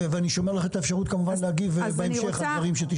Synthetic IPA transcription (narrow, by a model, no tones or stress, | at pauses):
veaniʃo̞melaχet̪aefʃaʁut̪kamuvanlehaɡivebeemʃeχad̪vaʁimʃet̪i